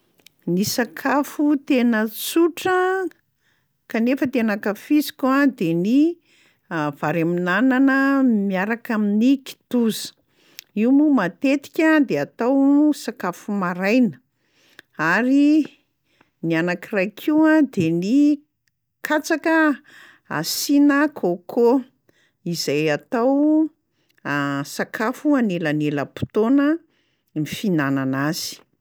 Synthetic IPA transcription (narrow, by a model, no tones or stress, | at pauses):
nisakʰafut̪enət͡suʈ͡ʂə | kanefət̪enakafisi̥kʲuad̪eni | v̥aɾaminananəmiaɾakaminiki̥t̪uzə̥ | iwmumat̪et̪i̥kʲad̪eat̪awsakafumaɾajnə̥ | aɾi | nianakirajkʰiwad̪eni | kʰat͡sakə | a̰sinakʰokʰo | izajat̪aw | sakʰafuanelaneləpu̥t̪onə | mifinananaz̥i̥